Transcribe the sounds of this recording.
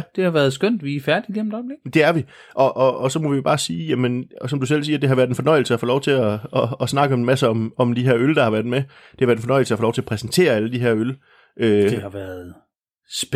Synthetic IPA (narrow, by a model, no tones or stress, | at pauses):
d̥e̝hɑ̈ʋæːɐð̞ˠsɡ̥øn̰d̥ʋifæɐd̥iliɒmnd̥ɒ̽ɪb̥leɡ̥d̥e̝æɐʋi | ʔɒ̽ʔɒ̽ːsɒ̽mɒʋijob̥ɑ̈ːsiːjæmensɒ̽md̥usel̰siːɐd̥e̝ɦɑ̈ʋæɐ̥enfɒ̽nɒ̽ɪ̰l̩səæfoːlɒʊt͡sʰe̝ɒɒːsnɑ̈ɡ̥əɒmenmæsəɒ̽mɒ̽md̥iɦeɐ̰øld̥ɑ̈hɑ̈ʋæɐd̥me | d̥ehɑʋæɐdˠenfnɒɪl̩səæfo̝lɒʊt͡sʰe̝æɐpʰʁɛsn̩t͡sʰe̝̰ːɐæləd̥iɦeɐ̰øl | ʔøehɑ̈ʋæɐðˠ | s